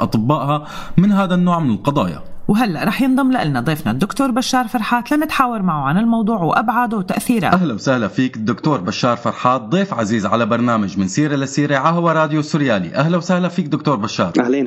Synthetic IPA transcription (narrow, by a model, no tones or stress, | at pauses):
ʔɑ̰t̪ˤɨbːaːʔɦamɪnɦaːd̪anːoːʕmɪnɪlqɑd̪ˤɑ̰ːja̰wɦalːaʔɾˤɑːħjɪnd̪ˤɑmlaʔɪlnad̪ˤiːfna̰d̪ʊkt̪oːɾˤbaʃːɑːɾˤfɑɾˤħaːt̪lamɪt̪ħaːwɑɾˤmaʕuʕanɪlmɑwd̪ˤuːʕwʔa̰bʕaːd̪ʊwt̪aʔθiːɾa̰ʔaɦlawsahlafiːkɪd̪ːʊkt̪oːɾˤbaʃːɑːɾˤfɑɾˤħaːt̪̚d̪ˤeːfʕaziːzʕalabɑɾˤnaːmad͡ʒmɪnsiːɾɪlasiːɾeʕahawaɾˤɑːd̪josːʊɾjaːlḭʔaɦlawsahlafiːk̚d̪ʊkt̪oːɾˤbaʃːɑːɾˤaleː